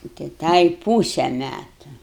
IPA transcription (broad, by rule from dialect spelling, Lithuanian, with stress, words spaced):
nʊ tɐɪ ˈtɐɪ ˈpuːsʲɛ ˈmʲætʊ